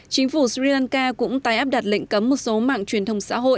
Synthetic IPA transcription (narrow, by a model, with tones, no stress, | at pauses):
t͡ɕï˨˦ŋ̟fu˧˩si˧laː˧nkaː˧kʊ̰˧˥ŋ͡mt̪aː˧jʔaː˦˥p̚ɗa˨˩t̚lḭ˧˨ŋ̟kə˨˦mːo˨˩t̚so˨˦ma̰ː˧˨ŋt͡ɕwi˨˩ənt̪ə˧wŋ͡msa̰ː˧˥ɦo̰˧˨j